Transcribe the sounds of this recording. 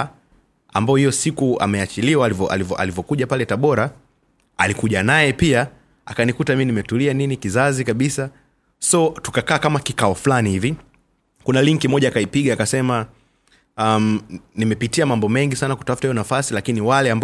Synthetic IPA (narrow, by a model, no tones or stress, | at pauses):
a̰mbaɔhijɔsikua̰mɛat͡ʃiliwalivɔʔa̰livɔʔa̰livɔkuʄapalɛtaɓɔɾa | alikuʄanajɛpia | akanikutamimnimɛtulianinikizazikaɓisa | sɔtu̥kakaːkamakikaɔflanihivi | kunaliŋkimɔʄaːkaipiɠaakasɛma | am̩nimɛpitiamambɔmɛŋɡisanaku̥tafu̥taijɔnafasilakiniwalɛamb